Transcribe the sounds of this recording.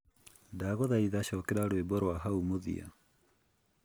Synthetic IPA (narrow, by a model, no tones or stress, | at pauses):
daɣɔðaiðaɕɔːkɛɾaɾoebɔɾwaɦaumoðḭa̰